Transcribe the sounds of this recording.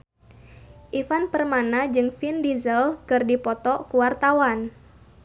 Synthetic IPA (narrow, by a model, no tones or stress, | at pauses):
ʔifanpərmanad͡ʒɨŋfindizəlkɨrdipɔt̪ɔkuwart̪awan